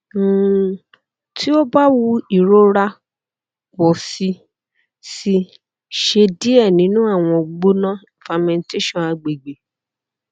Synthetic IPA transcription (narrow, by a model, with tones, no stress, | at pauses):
tʰi˦o˦ba˦wu˦i˦˨ɾo˦ɾa˧ | wɔ˨si˧ | si˧ | ʃe˧di˦ɛ˦˨nĩ˨˦nũ˦a˦˨w̃ɔ̃˧ɡ͡bo˦nã˦i˨fa˧mɛ̃˧n˦te˦ʃɔ̃˦˨a˧ɡ͡be˨ɡ͡be˨